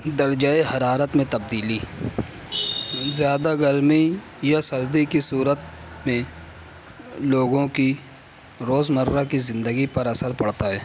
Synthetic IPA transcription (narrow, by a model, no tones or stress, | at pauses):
d̪əɾd͡ʒaːeɦɐɾaːɾət̪mẽt̪ɐb̚d̪iːli | zjaːd̪aɡəɾmi | jasɐɾd̪ikisuːɾət̪mẽ | loːɡõki | ɾoːzməɾːakizɪ̃nd̪əɡipɐɾɐsəɾpɐɽt̪aɦɛː